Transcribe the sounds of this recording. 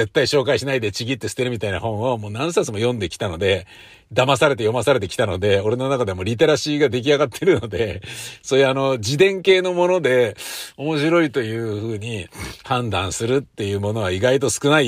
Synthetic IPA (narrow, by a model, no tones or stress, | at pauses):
e̞t̪ːaiɕo̞ːkaiɕinaid̪e̞t͡ɕiɡʲit̪ːe̞sɨ̥t̪e̞ɾɯ̟mʲit̪aina̰hõ̞ɰ̃o̞mo̞ːnãɰ̃sat͡sɨmo̞jõ̞nd̪e̞kʲi̥t̪ano̞d̪e̞ | d̪amasaɾe̞t̪ejo̞masaɾe̞t̪̬e̞kʲi̥t̪ano̞d̪e̞o̞ɾe̞no̞nakad̪e̞amo̞ːɾʲit̪e̞ɾaɕiːɡad̪e̞k̬ʲiaɡat̪ʰːe̞ɾɯ̟no̞d̪e̞so̞ːjɯ̟ano̞d͡ʑid̪ẽ̞ŋke̞ːno̞mo̞no̞d̪e̞o̞mo̞ɕiɾo̞it̪o̞jɯ̟ːɸɯːɲ̟ihãnd̪ãɰ̃sɨɾɯ̟t̪ːe̞jɯ̟ːmo̞no̞βaiɡait̪o̞sɨ̥kɯ̟nai